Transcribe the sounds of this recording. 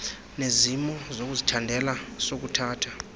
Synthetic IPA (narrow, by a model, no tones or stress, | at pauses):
nezimɔzok̬uzitʰandʱɛlasok̬utʰaːtʰḁ